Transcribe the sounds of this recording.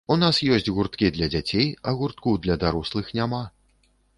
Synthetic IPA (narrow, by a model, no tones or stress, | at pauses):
unasjɔsʲt͡sʲɣurt̪kʲid̪lʲɐd͡zʲat͡sʲejɐɣurt̪̚kud̪lʲɐd̪aɾuslˠɨxnʲama